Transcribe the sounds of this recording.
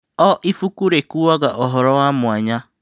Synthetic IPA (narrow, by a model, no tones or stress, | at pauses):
ɔʔifukuɾekuwaɡaʔɔɦɔɾɔamʊaɲa